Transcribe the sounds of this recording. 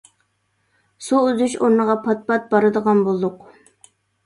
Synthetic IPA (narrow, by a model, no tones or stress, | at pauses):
suyzyʃoɾnəʁɑpʰɑt̪̚pɑt̪̚bɑɾɨd̪əʁɑnbolˠd̪ʊq